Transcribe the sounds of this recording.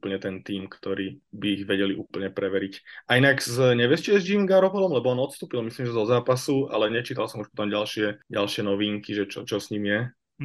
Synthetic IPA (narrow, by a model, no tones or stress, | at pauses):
upl̩ɲɛt̪ɛnt̪iːmkt̪ɔɾiːbiːɣʋɛɟɛliʔuːpl̩ɲɛpɾɛʋɛɾicainaɡzɲɛʋɛst͡ʃiɛzd͡ʒiɡaɾɔpɔlɔmlɛbɔɔnɔt̪st̪uːpilˠmisliːmʒɛɛzɔzaːpasua̰lɛɲɛt͡ʃiːt̪alsɔmuʃpɔ̥t̪ɔmɟalʃɪɛɟalʃɪɛnɔʋiːŋkiʒɛt͡ʃɔ̰t͡ʃɔsɲimjɛ